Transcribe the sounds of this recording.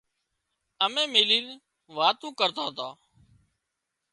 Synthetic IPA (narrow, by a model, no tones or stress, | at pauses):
əmẽːmeːliːn | ʋaːt̪ũːkəɾt̪aːt̪aː